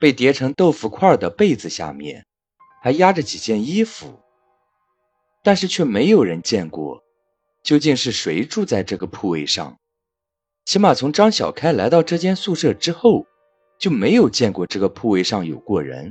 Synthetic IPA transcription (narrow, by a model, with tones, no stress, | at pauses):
pe˥˩ɪt̪jɛ˧˥ʈ͡ʂʰɤ˧˥ŋt̪o˥˩ʊfu˧kʰwa˥˩d̪ə˩pe˥˩ɪd͡zɹ̩˩ɕja̰˥˧mjɛ̰˥˩n | xa˧˥ɪja˥ʈ͡ʂə˨t͡ɕi˨˩t͡ɕjɛ˥˩ni˥fu˧˩ | t̪a˥˧nʂɻ̩˥˧t͡ɕʰɥɛ˥˩me˧˥ɪjo˨˩ʊɻə˧˥nt͡ɕjɛ˥˧nkwɔ̰˥˩ | t͡ɕjo˥˧ʊt͡ɕi˥˧ŋʂɻ̩˥˩ʂwe˧˥ɪʈ͡ʂu˥˧t͡sa˥˧ɪʈ͡ʂɤ˥˩ɡə˩pʰu˥˧we˥˧ɪʂɑ̰˥˧ŋ | t͡ɕʰi˧˥ma˨˩t͡sʰʊ˧˥ŋʈ͡ʂɑ˥ŋɕjɑ̰˨˩ʊkʰa˥ɪla˧˥ɪt̪ɑ˥˧ʊʈ͡ʂɤ˥˧t͡ɕjɛ˥nsu˥˧ʂɤ˥˩ʈ͡ʂɻ̩˥xo˥˧ʊ | t͡ɕjo˥˩ʊme˧˥ɪjo˨˩ʊt͡ɕjɛ˥˧nkwɔ˥˧ʈ͡ʂɤ˥˩ɡə˩pʰu˥˧we˥˧ɪʂɑ˥˩ŋjo˨˩ʊkwɔ˥˩ɻə̰˧˥n